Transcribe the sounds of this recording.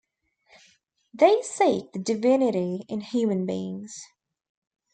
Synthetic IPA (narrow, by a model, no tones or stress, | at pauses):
ðeɪsik̚ðɨdɨvɪnɨɾiɪ̃nhjʉːmə̃nbḭːɪ̰̃ŋz̥